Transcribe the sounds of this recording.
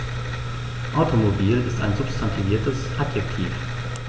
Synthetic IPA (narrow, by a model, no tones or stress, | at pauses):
ʔaʊtʰomobiːlɪsta̰ɪnzʊpstʰantʰiviːɐtəsʔapjɛk̚tʰiːf